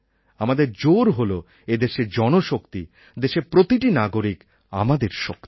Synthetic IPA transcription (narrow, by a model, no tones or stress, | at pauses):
amad̪eɾd͡ʑoɾɦolo | ed̪eʃed͡ʑɔnoʃokt̪i | d̪eʃepɾot̪iʈinaɡoɾik | a̰mad̪eɾʃok̚t̪i̥